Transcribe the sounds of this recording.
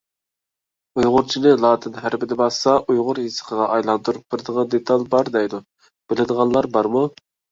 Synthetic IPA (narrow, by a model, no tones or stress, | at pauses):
ujʁʊɾt͡ʃʰinɪlˠɑːt̪ʰɪnɦæɾbɪd̪ɪbɑsɑʔujʁʊɾjisə̥qʰəʁɑʔɑjlˠɑnt̪ʰuɾup̚bɪɾd̪əʁɑnd̪et̪ʰɑlˠbɑɾd̪ɛjd̪u | b̥ɪlɪd̪əʁɑnlˠɑɾbɑɾmu